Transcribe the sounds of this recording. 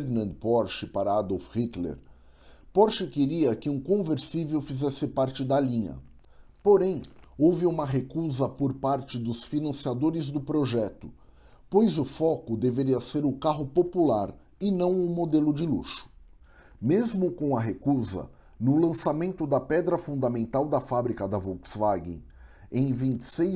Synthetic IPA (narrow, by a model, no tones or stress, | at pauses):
ɾnɐ̃nd̪pɔɾʃɪpaɾɐad̪owfhit̪lḛɾ | pɔɾʃɪkeɾiɐkɪũkõveɾsivewfizɛsɪpaɾt͡ʃɪd̪ɐlĩɲɐ̰ | poɾẽj̃owvɪũmɐɦekuzɐpoɾpaɾt͡ʃɪd̪ʊsfinɐ̃siad̪oɾɪzd̪ʊpɾoʒɛt̪ʊ̥ | pojzʊfɔkʊd̪eveɾiɐseɾʊkaɦʊpopulaɾ | ɪnɐ̃w̃ʊmod̪elʊd͡ʒɪlṵʃʊ̥ | mezmʊkõɐɦekuzɐ̰ | nʊlɐ̃samẽnt̪ʊd̪ɐpɛd̪ɾɐfũnd̪ɐmẽnt̪awd̪ɐfabɾikɐd̪ɐvowksvaɡḛ̃ | ẽj̃vĩnt͡ʃɪ̥se